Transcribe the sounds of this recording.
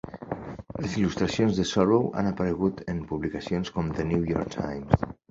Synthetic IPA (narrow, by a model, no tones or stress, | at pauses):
lesilust̪ɾasjonzðesɔɾβowʔa̰napaɾeɣ̞ut̪empuβlikasjonskomðenujɔɾk̚t̪ʰa̰jms